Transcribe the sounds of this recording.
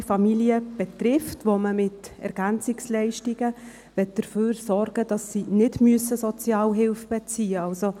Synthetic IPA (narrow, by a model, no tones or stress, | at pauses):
fɑmiliəb̥ɛtrɪftʋoməmɪtɛ̰ɾɡ̥ænt͡sɪkslɛɪʃtiɡə | ʋɛt̚d̥əɾføːɾsɔrɡ̥əd̥ɑsːinɪdmyəsəsɔt͡sjɑːlɦɪlfb̥ɛt͡siːəɑlso